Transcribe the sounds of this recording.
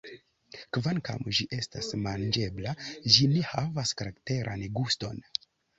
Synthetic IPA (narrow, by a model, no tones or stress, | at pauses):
kvanka̰mʒiʔe̞stasmand͡ʒe̞blaʒine̞havaskaɾakte̞ɾʔa̰nɡusto̞̰n